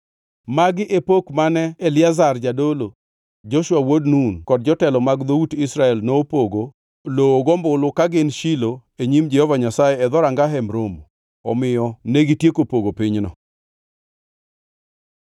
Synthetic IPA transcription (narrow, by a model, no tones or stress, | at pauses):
maɡɪʔepokmanɛːlɪazard͡ʒadolo | d͡ʒoʃwawodnunkɔd̚d͡ʒɔtɛlɔmaɡd̪outɪsɾaɛlnoːpoɡo | looɡombʊlʊkaɡɪnʃiloeɲimd͡ʒɛhɔvaɲasajɛɛðɔɾaŋɡaɦɛmɾom | ɔmɪjɔneɡitjekopoɡopɪɲnɔ